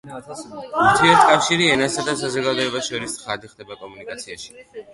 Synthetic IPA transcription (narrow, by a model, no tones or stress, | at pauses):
uɾt̪ʰiɛɾt̪̚kʼafʃiɾiɛnasad̪asazɔɡad̪ɔɛbasʃɔɾistsχad̪iχd̪ɛbakʼɔmunikʼat̪sʰiaʃi̥